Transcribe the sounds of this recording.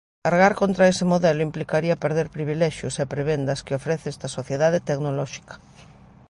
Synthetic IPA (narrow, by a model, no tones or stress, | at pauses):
kaɾɣaɾkont̪ɾaesɪmoðɛlʊimplikaɾiɐpeɾðeɾpɾiβ̞ilɛʃjʊsepɾeβend̪ɐskɪofɾeθeɛst̪ɐsoθjeðaðet̪eknolɔʃi̥kḁ